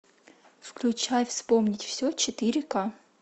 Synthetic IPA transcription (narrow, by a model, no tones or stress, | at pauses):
fklʲʊt͡ɕajfspomnʲɪtʲfsʲɵt͡ɕɪt̪ɨɾʲɪka